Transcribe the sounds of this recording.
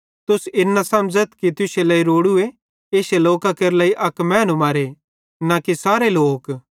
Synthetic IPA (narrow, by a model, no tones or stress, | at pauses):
t̪ʊsɪnːasɐmd͡ʒət̪kit̪ʊselɐːiɾoːɽʊe | eːseloːkakeɾlaːiʔɐkmɛ̃ːnumaːɾe | nakisaːɾeloːk